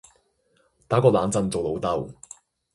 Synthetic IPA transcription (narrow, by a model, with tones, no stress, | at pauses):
t̪aː˨˥kɔː˧laː˨˧˥nt͡sɐ˨˧nt͡so˨wlo˨˧˥wt̪ɐ˧w